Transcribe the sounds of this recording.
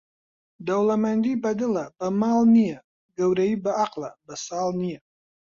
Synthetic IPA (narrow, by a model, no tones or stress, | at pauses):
d̪awlamand̪ibad̪əlabəmalnija | ɡawɾajibaaqla̰bəsaːlnija